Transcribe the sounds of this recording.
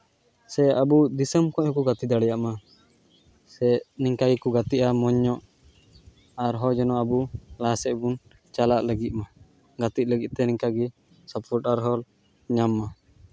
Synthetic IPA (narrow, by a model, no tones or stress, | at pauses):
sɛabud̪isəmkɔ̃ʔhɔkɔɡat̪id̪aɽɛjaʔma | sɛniŋkaɡɛkɔɡat̪iʔamɔɲːɔʔ | aɾɦɔd͡ʒɔnɔabulasɛʔbun | t͡ʃalaʔləɡit̪̚ma | ɡat̪it̪̚ləɡit̪̚t̪ɛniŋkaɡɛ | sɔpfʰɔʈaɾɦɔl | ɲamːa